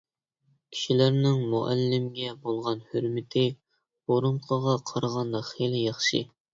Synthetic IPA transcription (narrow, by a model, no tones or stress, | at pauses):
kʲʰi̥ʃilæɾnɪŋmuʔæ̰lːɪmɡʲɛbolˠʁɑnhyɾmɪt̪ʰɪ | oɾuɴqʰəʁɑqʰɑɾʁɑnd̪ɑχelɪjɑχʃɨ̰